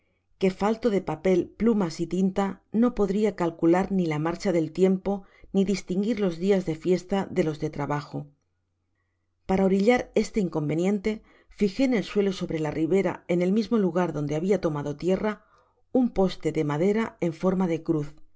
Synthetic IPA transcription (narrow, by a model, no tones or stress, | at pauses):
ke̞falt̪o̞ðe̞pape̞lplumasit̪int̪ano̞po̞ðɾiakalkulaɾnilamaɾt͡ʃaðe̞lt̪je̞mpo̞ | niðist̪iŋɡiɾlo̞zðiazðe̞fje̞st̪aðe̞lo̞zðe̞t̪ɾaβaxo̞ | paɾaoɾiʎaɾe̞st̪eiŋko̞mbe̞njẽ̞nt̪e̞ | fixe̞ːne̞lswe̞lo̞so̞βɾe̞lariβe̞ɾa̰e̞ne̞lmizmo̞luɣ̞aɾðo̞nd̪e̞aβ̞iat̪o̞maðo̞t̪je̞ra | umpo̞st̪e̞ðe̞maðe̞ɾae̞ɱfo̞ɾmaðe̞kɾuθ